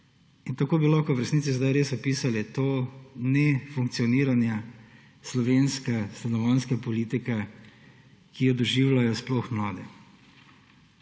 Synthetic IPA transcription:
int̪akoːbilɔxkɔʋɾɛsnit̪sizd̪ajɾeːsɔpiːsalɛt̪oːnɛfuŋkt̪sijɔniːɾanja | slɔʋeːnskast̪ɛnɔʋɔnskapɔliːt̪ika | kijɔd̪ɔʒiwlajɔsplɔxmlaːd̪ɛ

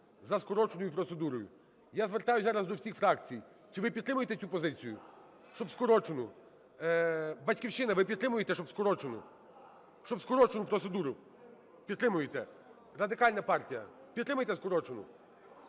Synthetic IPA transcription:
zɐskɔɾɔt͡ʃenʊjʊpɾɔt̪se̞d̪uɾɔjʊ | jazʋert̪ɑjʊzɑɾɐzd̪ɔwsʲixfɾɑkt͡sʲij | t͡ʃɪʋɪpʲid̪t̪ːɾɪmʊjet̪ɛt͡sʲupɔzɪt͡sʲijʊ | ʃt͡ʃɔbskɔɾɔt͡ʃenʊ | bɐtʲkʲiwʃɪnɐʋɪpʲid̪t̪ɾɪmʊjet̪ɛʃt͡ʃɔbskɔɾɔt͡ʃenʊ̰ | ʃt͡ʃɔbskɔɾɔt͡ʃenʊpɾɔt̪sed̪uɾʊ | pʲid̪t̪ːɾɪmʊjet̪ɛ | rɐd̪ɪkɑlʲnɐpɑrtʲijɐ | pʲid̪ɾɪmʊjt̪ɛskɔɾɔt͡ʃenʊ̰

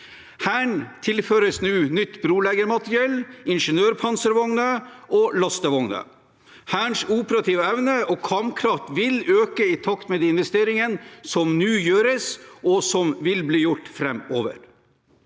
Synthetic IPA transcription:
hæːɳt̪ʰɪlføːɾəsnʉːnʏt̪ːbɾuːlɛɡəɾmɑt̪ɾɪɛlɪnʂənøːɾpʰɑnsəɾʋɔŋnəɔlɑst̪əʋɔŋnə̰ | hæːɳʂuːpəɾɑt̪ʰiːʋəɛʋnəɔkʰɑmkʰɾɑft̪ʋɪløːkəɪt̪ʰɑkt̪meːd̪ɛːɪnʋɛst̪eːɾɪŋənsɔmnʉːjøːɾəsɔsɔmʋɪlbliːjʊʈːfɾɛmoːʋə̰ɾ

